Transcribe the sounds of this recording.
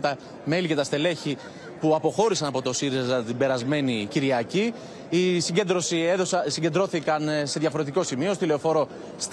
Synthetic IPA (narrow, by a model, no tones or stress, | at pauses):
t̪ɐ | me̞lice̞t̪ɐst̪e̞le̞çi | puɐpo̞xo̞ɾisɐnɐpo̞t̪osiɾizɐt̪ibe̞ɾɐzme̞niciɾiɐciː | siɲɟed̪ɾosieðossiɲɟe̞nd̪ɾo̞θikɐnse̞ðʝɐfo̞ɾe̞t̪iko̞simio̞s̬oileofo̞ɾo̞ | s